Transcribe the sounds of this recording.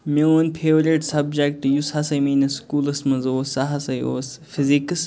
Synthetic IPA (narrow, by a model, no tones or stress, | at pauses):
meoːnpʰeːʋɾiʈsɐbd͡ʒekʈːjushɐsɐjmiːnɐskuːlɐsmɐzoːsɐɦɐsɐjoːsfiziks